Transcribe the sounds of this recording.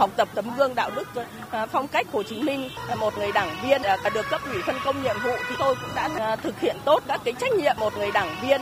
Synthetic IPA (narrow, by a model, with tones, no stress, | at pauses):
a˨˩wk͡p̚t̪ə˨˩p̚t̪ə˨˦mɣɨ˧əŋɗa̰ː˧˨wnɨ˦˥k̚fɔ˧wŋ͡mka˦˥jk̚ho˨˩t͡ɕi˨˦mï˧ŋ̟mo˨˩t̚ŋɨ˨˩əjɗaː˧˩ŋvi˧ən˨˩a˨˩ɗɨ˨˩əkːə˦˥p̚ʔwi˧˩fə˧nkə˧wŋ͡mɲḭ˧˨əmvṵ˧˨t̪ʰi˨˩t̪o˧jkʊ̰˧˥ŋ͡mɗa̰ː˧˥t̪ʰɨ˨˩k̚hḭ˧˨ənt̪o˦˥t̚kaː˦˥kːaː˨˦jt͡ɕa˦˥jk̟̚ɲḭ˧˨əmːo˨˩t̚ŋɨ˨˩əjɗaː˧˩ŋvi˧ən